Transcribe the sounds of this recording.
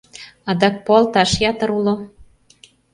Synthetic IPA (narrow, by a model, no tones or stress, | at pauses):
ɑd̪ɑk̚polt̪ɑʃjɑt̪ə̆ɾulo